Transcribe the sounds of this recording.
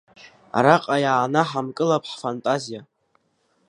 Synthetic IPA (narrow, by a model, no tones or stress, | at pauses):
a̰ɾaqʼajaːnaħamkʼɨlapʼʰħfantʼazija